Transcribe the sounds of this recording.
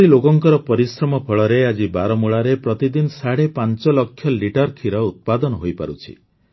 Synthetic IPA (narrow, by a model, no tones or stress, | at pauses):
ɾilokɔŋkɔɾɔpɔɾisɾɔmɔpʰɔɭɔɾead͡ʒibaɾɔmuɭaɾepɾɔt̪id̪inɔsaɽepant͡ʃɔlɔkʰːjɔliʈɔɾkʰiɾɔut̪̚pad̪ɔnɔɦojpa̰ɾṵt͡ʃʰḭ